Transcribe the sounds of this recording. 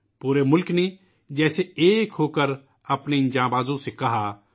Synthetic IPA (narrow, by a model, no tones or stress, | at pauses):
puːɾemʊlkne | d͡ʒɛːseeːkɦoːkəɾ | ɐpnend͡ʒãːbaːzõsekɐɦaː